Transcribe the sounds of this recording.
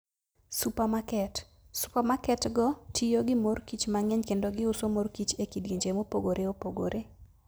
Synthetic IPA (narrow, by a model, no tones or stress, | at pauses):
supamakɛt | sʊ̥pamakɛtɡɔtʰijoɡɪmorkit͡ʃmaŋɛɲkendoɡɪʊsomorkit͡ʃekidɡeɲd͡ʒemopoɡoɾeopoɡo̰ɾʔe